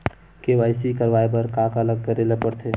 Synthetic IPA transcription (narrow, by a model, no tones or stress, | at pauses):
keʋaːɪsikəɾʋaːep̬əɾkaːkaləɡ̚kəɾelepəɾt̪ʰeː